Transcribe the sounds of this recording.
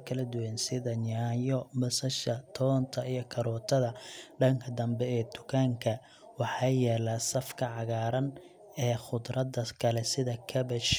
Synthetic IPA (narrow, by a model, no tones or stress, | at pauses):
kʰɐlɐd̪ʊwansɪðɐɲaːjɔmɐsɐʃɐt̪ʰɔːnt̪ʰɐʔijɞkʰɐɾɔːt̪ʰɐðɐɖɐŋkʰɐd̪ɐmbɛɛːd̪ʊkʰaːŋkʰɐ | wɑħɑjɛːlaːsɐfkʰɐʕɑɣaːɾɐn | ɛːχʊd̪ɾɐd̪ɐkʰɐlɛsɪðɐkʰɐbɐʃ